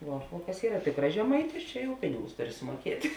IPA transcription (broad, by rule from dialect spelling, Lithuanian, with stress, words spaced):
ˈʋuɔ oː kɐs ˈiːrɐ ˈtʲɪkrɐs ʒʲɛˈmɐɪtʲɪs ˈt͡ʃʲɛ jɛʊ ˈpʲɪnʲɪɡʊs ˈtʊˌrʲɪ sʊmuɔˈkʲiɛtʲ